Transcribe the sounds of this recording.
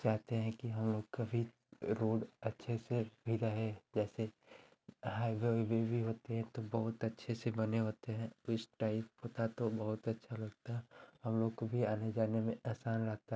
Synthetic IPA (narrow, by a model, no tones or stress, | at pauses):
t͡ʃaːɦt̪eɦɛ̃kiɦɐmloːɡkabʱi | ɾoːɖɐtːʃʰesebʱid̪aɦɛd͡ʒɛːse | ɦaːɪʋebebʱiɦoːt̪eɦɛ̃t̪obɐɦʊt̪ɐtːʃʰesebɐneɦoːt̪eɦɛ̃ɪsʈaːɪp̚ɦoːt̪at̪obɐɦʊt̪ɐtːʃʰalɐɡt̪aɦɛ̃ɦɐmloːɡ̚kobʱiaːned͡ʒaːnemẽaːsaːnɾɐɦt̪a